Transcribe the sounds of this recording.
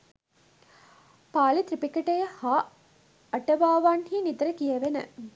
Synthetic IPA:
paːlit̪ɾipikɐʈɐjɐhaː | ɐʈɐʋaːʋanhiːnid̪ɐɾəkijɐʋenə̰

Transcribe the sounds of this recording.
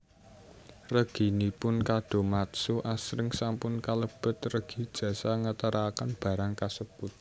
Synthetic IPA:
rəɡ̥i̤nipʊnkaɖ̥o̤mat̪suʔasɾɪŋsampʊnkaləb̥ə̤t̪rəɡ̥i̤d̥ʒ̥ä̤saŋət̪əɾakanb̥a̤ɾaŋkasəb̥ʊt̪̚

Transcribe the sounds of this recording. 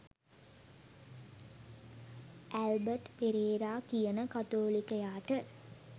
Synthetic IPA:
ʔælbəʈpeɾeːɾaːkijənəkat̪oːlikəjaːʈə

